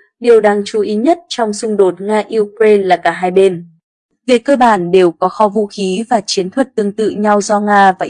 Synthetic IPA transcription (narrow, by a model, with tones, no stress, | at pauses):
ɗi˨˩əwɗaː˧ŋt͡ɕu˨˦ʔi˨˦ɲə˦˥t̚t͡ɕɔ˧wŋ͡msʊ˧ŋ͡mɗo˨˩t̚ŋaː˧ʔi˧k̚ɾe˧nlaː˨˩kaː˧˩ɦaː˧jɓe˧n | vi˨˩əkːəː˧ɓaː˧˩nɗe˨˩wkɔ˨˦xɔ˨˧˦vṵ˧˨xi˨˦vaː˨˩t͡ɕi˨˦ənt̪ʰwə˨˩t̚t̪ɨ˧˩əŋt̪ɨ̰˧˨ɲa˧wzɔ˧ŋaː˧vaː˨˩